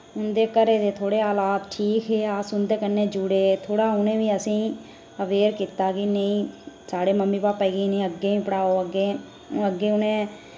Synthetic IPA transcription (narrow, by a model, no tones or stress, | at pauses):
ʊnd̪eːkəɾeːd̪eːt̪ʰoːɽeːaːlaːt̪ʈʰiːkɦeːaːsʊnd̪eːkənːẽːd͡ʒʊɽeːt̪ʰoːɽaːʊnẽːʋiːəsĩː | əʋeːɾkiːt̪aːkinəĩːsaːɽeːməmːiːpaːpɛːɡiinẽːəɡeːĩːpəɽaːoːəɡːẽː | əɡːeːʊnẽː